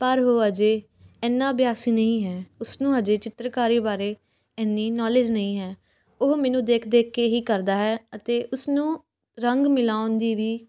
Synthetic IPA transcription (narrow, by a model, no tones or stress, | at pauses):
pəɾɦoːəd͡ʒeː | ɛːnːãːbjaːsiːnəĩːɦɛːʊsnũːəd͡ʒeːt͡ʃɪt̪ɾəkaːɾiːbaːɾeː | ɛːnːiːnɔːleːd͡ʒnəĩːɦɛː | oɦmɛ̃ːnũːd̪eːkʰd̪eːkʰːeɦiːkəɾd̪aːɦɛːət̪eːʔʊsnũː | ɾəŋɡmɪlaːʊnd̪iːʋiː